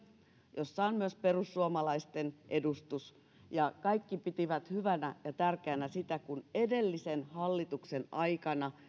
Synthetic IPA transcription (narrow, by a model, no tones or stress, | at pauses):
josːɑonmyøsperusːuomɑlɑist̪enʔedust̪us | jɑkɑikːipit̪iʋæt̪hyʋænæjɑt̪ærkeænæsit̪ækunedelːisenhɑlːit̪uksenɑikɑnɑ